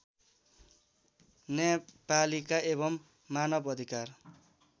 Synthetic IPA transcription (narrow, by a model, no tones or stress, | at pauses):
nepalikaeβʌmː | anʌbʌd̪ʱikar